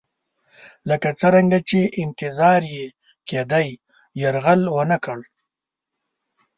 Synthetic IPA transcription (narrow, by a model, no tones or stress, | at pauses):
ləkat͡səɾaŋɡat͡ʃeʔɪnt̪ɪzɑɾje | ked̪aj | jaɾɣalwənakəɽ